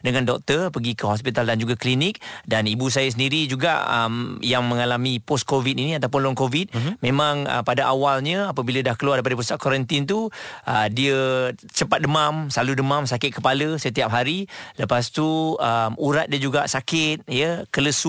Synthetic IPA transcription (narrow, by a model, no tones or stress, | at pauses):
dəŋandɔk̚t̪ərpəɡikəɦɔspit̪aldand͡ʒuɡaklinɪk̚danibus̬ajəs̬əndiɾid͡ʒuɡa̰ʔə̰mjaŋmə̃ŋalamipɔs̚kovit̪iniat̪awp̬ʊnlɔŋkovit̪̚mẽmãŋə̰padaʔawalɲə̃apəbilədahkəluardeipadəp̬ust̪aʔkɔɾənt̪int̪uədiət͡ʃəpat̪̚dəmamsaludəmamsakɪt̪̚kəpaləsət̪iap̚ɦaɾiləpas̬t̪uəmuɾat̪̚diəd͡ʒuɡaʔsakɪt̪̚jəkələsu